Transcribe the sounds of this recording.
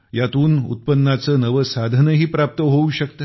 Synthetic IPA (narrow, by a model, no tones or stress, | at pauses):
jat̪uːnṵt̪̚pənːat͡səːnəʋəsad̪ʱənəɦiːpɾap̚t̪əɦouɕəkt̪ə